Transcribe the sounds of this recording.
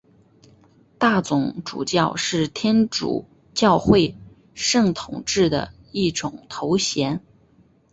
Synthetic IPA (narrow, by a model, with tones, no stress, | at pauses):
t̪a˥˩t͡sʊ˧˥ŋʈ͡ʂṵ˨˩t͡ɕjɑ˥˧ʊʂɻ̩˥˩t̪ʰjɛ˥nʈ͡ʂṵ˨˩ | t͡ɕjɑ˥˧ʊxwe˥˧ɪ | ʂɤ˥˩ŋt̪ʰʊ˨˩ŋʈ͡ʂɻ̩˥˩d̪ə̰˩ | i˥˩ʈ͡ʂʊ˨˩ŋt̪ʰo˧˥ʊɕjɛ˧˥n